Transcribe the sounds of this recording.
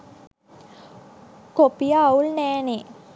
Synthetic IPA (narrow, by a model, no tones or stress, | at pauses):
kopijaːulnɛːne